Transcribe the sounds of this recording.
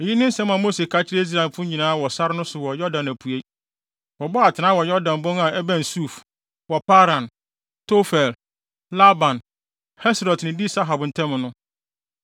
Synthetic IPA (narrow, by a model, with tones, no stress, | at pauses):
ɛ˨ji˦nɪ̃˦n̩˦sɛ̃˦mã˨mo˦se˨skʰa˦t͡ɕʰɪ˦ɾe˦i˦s̬ɾa˨ɛ˨mfʊ̃˦ɲĩ˨nãː˦wɔ˨sa˦ɾɪ˦nʊ̃˦sʊ˨wɔ˨jɔ˦dã˨næ˨pʰu˨e˦ | wɔ˨bɔ˦a˨tʰɪ˨nãː˦wɔ˨jɔ˦dã˨nbɔ̃˦ŋa˨ɛ˦bæ̃˨nsu˦˨f | wɔ˨pa˦ɾã˨n | tʰo˦fɛ˨l | la˦bã˨n | hɛ˦sɾɔ˨tnɪ̃˨di˦sa˦ɦa˨bn̩˨tʰɛ̃˦m̃˨nʊ̃˦